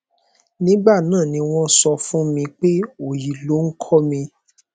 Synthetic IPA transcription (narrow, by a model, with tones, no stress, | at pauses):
nĩ˨˦ɡ͡ba˦˨nãː˦˨nĩ˧w̃ɔ̃˦sɔ˧fũ˦mĩ˧k͡pe˦o˨ji˨lo˨˦ŋ̩˦kʰɔ˦mĩ˧